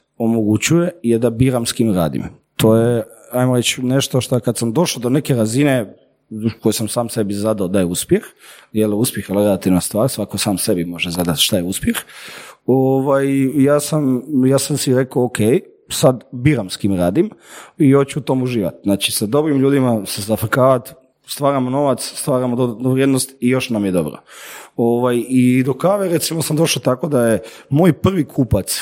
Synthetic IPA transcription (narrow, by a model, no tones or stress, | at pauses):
omoɡut͡ɕuje̞jed̪abiɾamskiːmɾa̰ːd̪ḭm | t̪ʰo̞ːjeajmoɾet͡ʃne̞ʃt̪o̞ʃt̪okad̪samd̪o̞ʃlod̪one̞ke̞ɾazine̞ | kojisamsaːmse̞bizad̪aod̪ajeuspjexjeluspjexjelɾelˠat̪iʋnast̪ʋaːɾsʋakosaːmse̞bimo̞ʒezad̪at̪ʃt̪ajeuspjex | oʋajijaːsamjaːsamsiɾe̞kookʰej | sad̪biːɾamskiːmɾaːd̪imijot͡ɕuut̪o̞muʒiːʋa̰t̪znaːt͡ʃisad̪o̞bɾimʎuːd̪imasezafkaːʋat̪ | st̪ʋaːɾamono̞ʋat̪sst̪ʋaːɾamod̪od̪noʋɾjed̪nost̪ijo̞ʃnamjed̪o̞bɾo̰oʋajid̪o̞kaʋeɾet̪simo̞samd̪o̞ʃat̪ako̞d̪aje | moːjpr̩ʋikʰuːpat̪s